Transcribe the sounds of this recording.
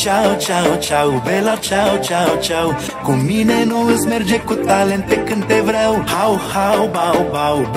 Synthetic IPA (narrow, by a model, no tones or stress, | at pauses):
t͡ʃawt͡ʃawt͡ʃawbɛlat͡ʃawt͡ʃawt͡ʃaw | kominenoəzmeɾd͡ʒekut̪alẽnt̪ekɨnt̪evɾawhawhawbawbaw